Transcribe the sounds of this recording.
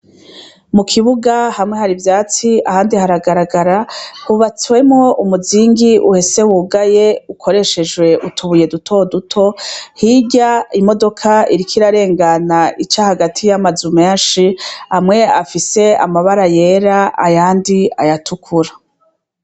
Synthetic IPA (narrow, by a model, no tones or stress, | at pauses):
mukʰiβuɡahamŋe̞haɾivjaːt͡siahaːndihaɾaɡaɾaɡaɾahuβat͡swe̞mŋo̞umuziːŋɡiʔuhe̞se̞wuɡaje̞ukʰo̞ɾe̞ʃe̞d͡ʒwe̞ʔutʰuβuje̞dutʰo̞dutʰo̞hiɟaimo̞do̞kʰaiɾikʰiɾaɾe̞ːŋɡanaʔit͡ʃahaɡatʰijamazumeːnʃihamŋe̞afise̞a̰maβaɾaje̞ɾaa̰jaːndiajatʰukʰuɾa